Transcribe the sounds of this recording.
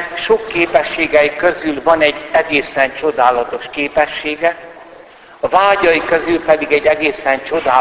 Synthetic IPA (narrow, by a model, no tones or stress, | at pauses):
ʃokːeːpɛʃːeːɡɛjikøzylvɒnɛɟːɛɡeːsɛnt͡ʃo̞d̪aːlɒt̪o̞ʃkeːpɛʃːeːɡɛ | ɒvaːɟɒjikøzylpɛd̪iɡɛɟːɛɡeːsɛnt͡ʃo̞d̪aː